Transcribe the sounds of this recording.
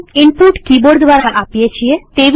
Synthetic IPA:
inpuʈkiboɾd̪ʋaɾaʔapijet͡ɕʰiet̪eʋ

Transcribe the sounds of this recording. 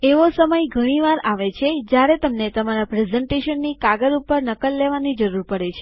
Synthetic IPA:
eʋosəməjɡʱəɽ̃iʋaɾaʋet͡ʃʰed͡ʒjaɾet̪əmnet̪əmaɾapɾezəɳʈeʃənːikaɡəɾupəɾnəkəlːeʋanid͡ʒəɾuɾpəɽet͡ʃʰe̥

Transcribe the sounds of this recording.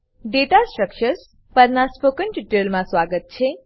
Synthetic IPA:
ɖeʈasʈɾəkʃəɾs | pəɾnaspokənʈiʈəlmãsʋaɡət̪̚t͡ʃʰe

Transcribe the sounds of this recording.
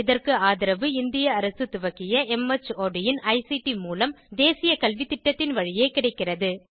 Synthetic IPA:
ɪðɐrkɯaːðɪɾɐʋɯɪnd̪ɪjɐːɾɐsɯt̪ʊʋɐkːɪjɐʔɛmɛt͡ʃoːɖɪjɪnɐɪsiʈimuːlɐmd̪eːsɪjɐkɐlʋɪt̪ːɪʈːɐt̪ːɪnʋɐɻɪjeːkɪɽɐɪkːɪrɐðɯ

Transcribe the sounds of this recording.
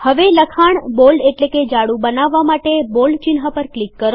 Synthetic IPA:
həʋeləkʰaɳbolɖeʈleked͡ʒaɽũbənaʋːamaʈebolɖt͡ʃinɦapəɾklikːəɾo

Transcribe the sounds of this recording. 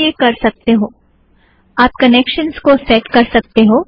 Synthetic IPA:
ekɐɾsɐk̚t̪eɦoː | aːp̚kɐneːkʃənskosɛːʈkɐɾsɐk̚t̪eɦoː

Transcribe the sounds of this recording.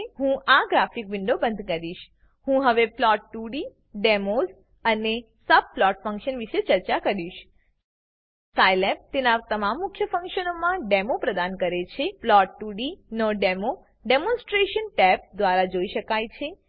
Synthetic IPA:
ɦũʔaɡɾafikʋɪɳɖobə̃nd̪ʱkəɾiʃ | hũɦəʋeplɔʈːuɽi | ɖemoz | əne | səb̚plɔʈfə̃ŋkʃənʋiʃet͡ʃəɾt͡ʃakəɾiʃ | sajlɛp̚t̪enat̪əmamːʊkʰːjəfə̃ŋkʃənomãɖemopɾəd̪ankəɾet͡ʃʰeplɔʈːuɽinoɖemo | ɖemõnsʈɾeʃənʈɛp̚d̪ʋaɾad͡ʒoiʃəkajt͡ʃʰe

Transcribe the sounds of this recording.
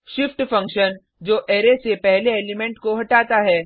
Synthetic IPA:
ʃɪfʈfɐ̃ŋkʃən | d͡ʒoːʔeːɾesepɛɦleeːlɪmɛ̃ːɳʈkoɦɐʈaːt̪aɦɛː

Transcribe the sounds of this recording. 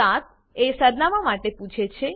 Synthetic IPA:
at̪̚ | esəɾnaʋamaʈeput͡ʃʰet͡ʃʰe

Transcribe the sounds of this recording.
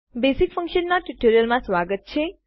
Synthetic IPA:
besikfə̃ŋkʃənːaʈuʈoɾijəlmãsʋaɡət̪̚t͡ʃʰe

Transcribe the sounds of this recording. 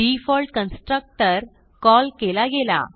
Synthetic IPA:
ifɔlʈkənsʈɾək̚ʈəɾ | kɔlkelaɡela̰

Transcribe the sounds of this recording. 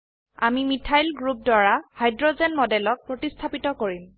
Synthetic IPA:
a̰mimitʰajlɡɹup̚dwaɹahajdɹɔzɛnmɔdɛlɔk̚pɹotistʰapitɔkoɹim

